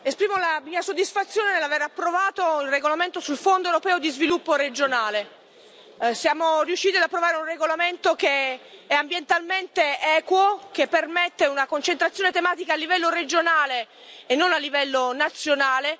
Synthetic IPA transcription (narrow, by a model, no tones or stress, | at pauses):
espɾiːmolamiːasod̪ːisfat̪sːjoːnenelaveɾapːɾovaːt̪oilreɡolament̪osulfond̪oewɾopɛːod̪izvilupːoɾed͡ʒonaːle | sjaːmorijuʃːiːt̪iad̪apːɾovaːɾeunreɡolament̪okeɛambjent̪alment̪eɛːkwokepːermet̪ːeunakont͡ʃent̪ɾat̪sːjoːnet̪emaːt̪ikaːlːivɛlːored͡ʒonaːleː | nːonalːivɛlːonat̪sːjonaːle